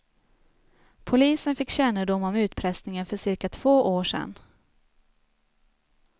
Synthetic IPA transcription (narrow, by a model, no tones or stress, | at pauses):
pʰʊliːsənfɪkːɕɛnːəɖʊmːɔmʉ̟ːt̪pʰɾɛsnɪŋənfœʂɪɾkat̪ʰv̥oːʔoːʂɛ̰nː